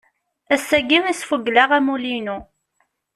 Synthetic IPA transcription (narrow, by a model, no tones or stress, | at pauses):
æsːæɡimæsfuɡlaʁæmulinu